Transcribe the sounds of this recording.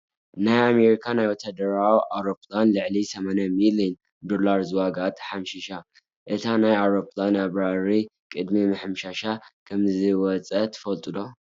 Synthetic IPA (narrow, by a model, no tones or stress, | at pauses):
najame̞ɾikʰanajwɔt̪ʰad̪ɐɾawʔawɾo̞planlɨʕlisɐmanamiliɛn | d̪o̞laɾzɨwaɡat̪ħamʃɪʃa | ʔɨt̪ʰanajawɾoplanaβɾaɾikʼɨd̪mimɨħɨmʃaʃakʰɐmzɨwɔt͡sʼɐt̪ʰɨ̥fɐlt̪ʼɨdo̞